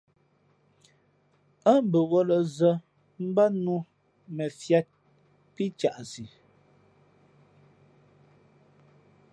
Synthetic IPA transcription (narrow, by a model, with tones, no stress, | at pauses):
a˦m˦bə˨wɔ˦lə˨zə˦ | m̩˦ba˦nu˦ | mɛ˨fja˦t̚ | pi˦t͡ʃa˨ʔsi˨